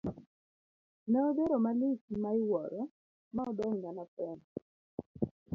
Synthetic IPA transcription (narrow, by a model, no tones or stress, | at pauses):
nɛɔdeɾomalɪsimaɪwɔɾɔ | maɔdɔŋːanapɛn